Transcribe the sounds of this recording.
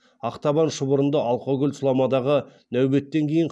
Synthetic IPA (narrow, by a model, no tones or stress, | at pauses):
ɑqt̪ɑbɑnʃəbʊɾənd̪ɑɑlˠqoɡʲʏlʲsʊlˠɑmɑd̪ɑʁənæwbe̞t̪ːe̞ŋkʲʰe̞jɪɴq